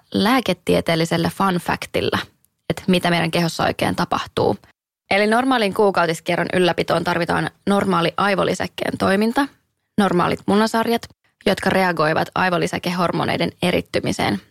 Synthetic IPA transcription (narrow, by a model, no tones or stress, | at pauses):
læːket̪ːiet̪e̞ːlːiselːæfɑnfæ̰kt̪ḭlːæ | et̪mit̪æmejɾæŋke̞ɦosːɑo̞̰jk̟e̞̰ːnt̪ɑpɑ̰ht̪ṵː | e̞lino̞rmɑːliŋkuːkɑwdiskerːɑnʔy̰lːæpit̪o̞ːnt̪ɑrʋit̪ɑ̰ːnno̞rmɑːliʔɑjʋo̰lisæ̰kːe̞̰ːnt̪o̞jmint̪ɑ | no̞rmɑ̰ːlḭt̪munːɑsɑrjɑt̪ | jo̞t̪kɑre̞ɑɡo̞jʋɑ̰t̪ɑ̰jʋolːisæ̰kehɦo̞rmoːnʔḛjdene̞ɾḭt̪ːymise̞̰ːn